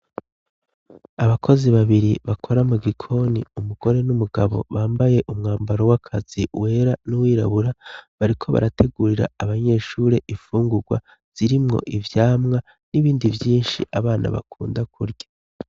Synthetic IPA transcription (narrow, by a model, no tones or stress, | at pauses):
aβakʰo̞ziβaβiɾiβakʰo̞ɾamuɡikʰo̞niumuɡ̥o̞ɾe̞numuɡaβo̞̰βaːmbaje̞ʔumŋaːmbaɾo̞wakʰaz̥iwe̞ːɾanuwiːɾa̰βuɾaβaɾikʰo̞βa̰ɾatʰe̞ɡuɾiɾa̰ːβaɲe̞ːʃuːɾe̞ʔifuːŋɡuɡwa̰ | z̥iɾimŋo̰ʔivjaːmŋa | niβiːndivjiːnʃiʔaβaːnʔa̰βa̰kʰuːndakʰuɾɟa